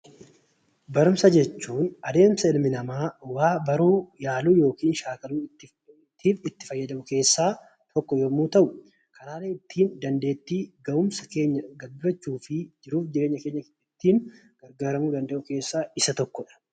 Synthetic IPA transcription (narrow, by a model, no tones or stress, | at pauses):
bɐɾʊmsɐd͡ʒɛt͡ʃːuːnɐd̪e̞ːmsɐɪlmɪnɐmaːwaːbɐɾuːjaːluːjo̞ːkiːnʃaːkɐluː | t̪ːiːfɪt̪ːɪ̥fɐjːɐd̪ɐmʊke̞ːsːaː | t̪ʰɔkːɔjomuːt̪ɐʔʊ | kʰɐnaːleɪt̪ːiːnd̪ɐnd̪e̞ːt̪ːiːɡɐʊmsɐke̞ːɲːɐɡɐbɐt͡ʃːuːfɪd͡ʒɪɾuːfd͡ʒɪɾe̞ːɲːɐkeːɲːɐ | ɪt̪ːiːn | ɡ̥ɐɾɡaːɾɐmuːd̪ɐnd̪ɐʔʊke̞ːsːaːɪsɐt̪ɔkːɔᶑɐ̥